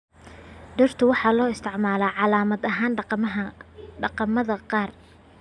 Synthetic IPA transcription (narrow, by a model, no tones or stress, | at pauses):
ɖɐrt̪ʰʊwɑħɑːlɔːɪst̪ʰɪʕmaːlaːʕɑlaːmɐd̪ɐɦaːn | ɖɑqɑmɐðɐqɑːr